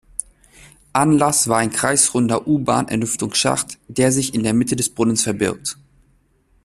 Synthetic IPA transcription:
ʔanlasv̥aːɐaɪnkʁ̥aɪsʁ̥ʊndɐʔuːba̰ːnʔɛ̰ɐlʏftʊŋsʃa̰χtd̥eːɐzɪçɪndeːɐmɪtədɛsb̥ʁʊnənsfɛɐbɪɐk̚t

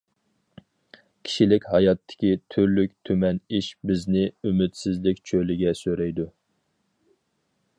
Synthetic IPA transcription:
kʲʰi̥ʃilɪkʲhɑjɑt̪ʰːɪ̥kʲit̪ʰyɾlykʲt̪ʰømɛniʃbɪznɪymyt̪sɪzlɪkʲt͡ʃʰølɪɡʲɛsøɾɛjd̪u

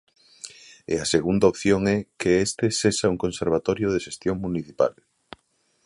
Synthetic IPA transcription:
ḛaseɣund̪aopθjoŋɛkeest̪ɪsesauŋkonseɾβ̞at̪ɔɾjoðeʃest̪joŋmuniθipa̰l

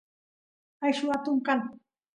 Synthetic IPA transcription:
ajʃʊat̪ʊŋkan

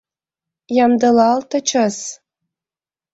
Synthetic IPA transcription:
jɑmd̪ɤ̆lɑlt̪ɤ̆t͡ɕəs

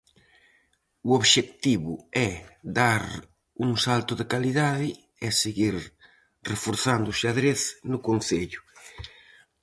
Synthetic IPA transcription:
uoβʃekt̪iβʊɛd̪aɾ | uŋsalt̪ʊðekaliðaðɪ | ɛseɣiɾ | refoɾθand̪ʊsɪaðɾeθnʊkon̟θeʎʊ̥

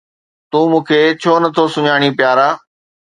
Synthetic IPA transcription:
t̪ũːmũːkʰeːt͡ɕʰoːnɐt̪ʰosʊɲaːɽ̃ipjaːɾaː

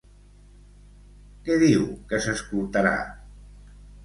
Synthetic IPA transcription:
kɛðiwkəsəskulˠt̪aɾa̰

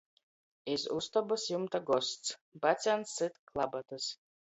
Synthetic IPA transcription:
isust̪abɨsjumt̪aɡɔst̪sbat̪sʲansːɨt̪klˠabat̪ɨs

